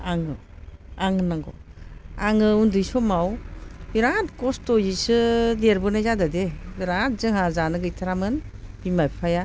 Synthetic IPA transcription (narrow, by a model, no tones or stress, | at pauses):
aŋɯ | aŋɯnaŋɡɔ̰ | aŋɯundɯjsɔmawbiɾatkɔstɔjisɯdeɾbɯnajzadadebiɾat̚zɯŋɦazanɯɡɯjtʰaɾamɯnb̥imajpʰaja